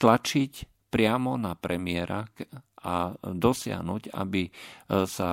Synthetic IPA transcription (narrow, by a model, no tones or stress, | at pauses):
t̪lat͡ʃic | pɾɪamɔnapɾɛmɪɛɾakad̪ɔsɪa̰ɦnuːɟa̰bisa